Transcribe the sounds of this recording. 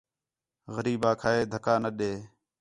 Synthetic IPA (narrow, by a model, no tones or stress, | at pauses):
ɣəɾiːbaːkʰaːeːd̪ʱəkaːnəɗeː